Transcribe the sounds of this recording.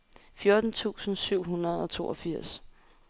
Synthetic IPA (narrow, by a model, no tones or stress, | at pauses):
fjo̝ːd̥n̩t͡sʰṵːsn̩syʊ̰ɦunɐð̞̩ˠɒ̽t͡sʰo̝̰ːʔɒfiɐ̰s